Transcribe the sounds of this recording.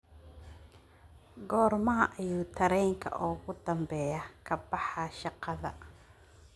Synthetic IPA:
ɡɔːrmɐɦɐʔɐjuːt̪ʰɐɾɛjŋkʰɐ̰ʔɔːɣʊd̪ɐmbɛjɐkʰɐbɑħɑʃɑqɑðɐ

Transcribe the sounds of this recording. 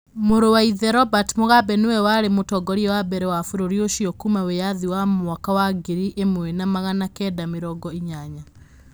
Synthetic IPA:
moɾowaiðɛɾɔbatmoɣabɛnowɛwaɾemotɔɡɔɾiɛwabɛɾɛwafuɾoɾioʃiɔkumawejaðiwamwakawaɡeɾiʔemwɛnamaɣanakɛdameɾɔɡɔiɲaɲa

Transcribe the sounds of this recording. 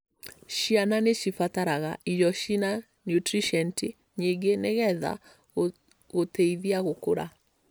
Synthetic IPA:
ɕiananeʃifataɾaɣa̰ʔijɔʃina | njutɾiʃɛnti | ɲiɡeneɣɛða̰ | ɣoteiðiaɣoko̰ɾa̰

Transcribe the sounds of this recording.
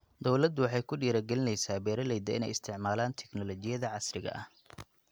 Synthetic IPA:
d̪ɔwlɐd̪ʊwɑħɑjkʰʊɖiːɾɐɡɛlɪnɛjsaːbɛːɾɐlɛjd̪ɐɪ̰nɛ̰jɪst̪ʰɪʕmaːlaːnt̪ʰɛɡnɔlɔt͡ʃɪjɐðɐʕɑsrɪɣɐ̰ʔɐ̰h

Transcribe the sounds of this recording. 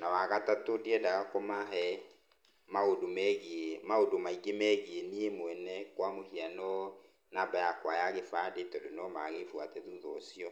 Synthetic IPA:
nawaɣatatodiɛdakɔmaɦɛ | maodomɛɣmaodomaiɡemɛɣieniemwɛnɛkwamohianɔ | nabajakwajaɣefadetɔdonɔmaɣefwatɛðuðɔsiɔ

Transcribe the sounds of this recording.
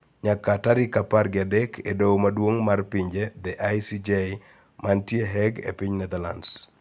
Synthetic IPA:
ɲakataɾɪkaparɡɪadɛkʰedowmadwoŋmarpiɲd͡ʒed̪ɛʔajsid͡ʒe | mantjeɦɛɡḛpiɲnɛd̪ala̰ns

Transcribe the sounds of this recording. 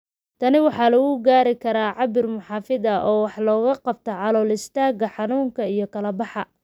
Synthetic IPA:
t̪ʰɐnɪwɑħɑːlɐɣʊɡaːɾɪkʰɐɾaːʕɑbɪrmʊħɑːfɪðɐʔɔːwɑħlɔːɣɐqɑb̚t̪ʰɔʕɑlɔːlɪst̪ʰaːɣɐħɑnuːŋkʰɐijɞkʰɐlɐbɑħɑ

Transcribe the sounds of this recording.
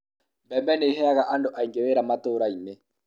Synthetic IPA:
mbɛmbɛneɦɛaɣaʔandoʔaiŋɡeweɾamatoɾaine

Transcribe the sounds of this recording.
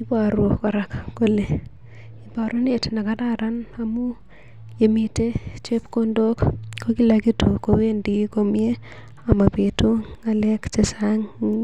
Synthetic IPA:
ipaɾwokɔɾakkole | ipaɾonetnakataɾanamu | emitet͡ʃepkondokkokilakitukowendikomie | amapetuŋalekt͡ʃesaŋ

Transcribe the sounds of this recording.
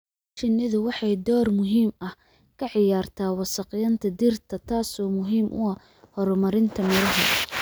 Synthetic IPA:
t͡ʃɪnːɪðʊwɑħɑjd̪ɔːrmʊɦiːmɐh | kʰɐʕɪjaːrt̪ʰaːwɑsɑqɪjɐnt̪ʰɐd̪irt̪ʰɐt̪ʰaːsɔːmʊɦiːmʔʊ̰ɐ | hɔɾɔmɐɾɪnt̪ʰɐmɛɾɐɦɐ

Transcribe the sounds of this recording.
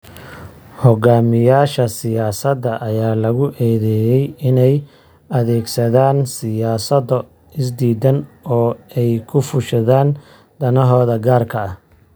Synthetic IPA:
hɔɡaːmɪjaːʃɐsɪjaːsɐd̪ːɐʔɐjaːlɐɣʊʔɛːðɛjɛjɪnɛj | ɐðɛːɡsɐðaːnsɪjaːsɐd̪ɐ | ɪs̬d̪iːd̪ɐnɔːɛjkʰʊfʊʃɐðaːn | d̪ɐnɐɦɔːðɐɡaːrkʰɐɐh

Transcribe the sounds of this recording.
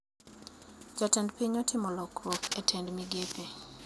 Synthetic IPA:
d͡ʒatɛndpiɲɔtʰɪmɔlɔkɾɔpetʰɛndmiɡepe

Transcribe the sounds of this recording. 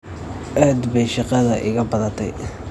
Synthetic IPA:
ʔaːd̪bɛjʃɑqɑðɐʔɪ̰ɣɐbɐðɐt̪ʰɛ̰j

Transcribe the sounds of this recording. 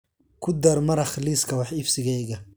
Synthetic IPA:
kʰʊd̪ɐrmɐɾɐχliːskʰɐwɑħɪfsɪɣɛjɣɐ

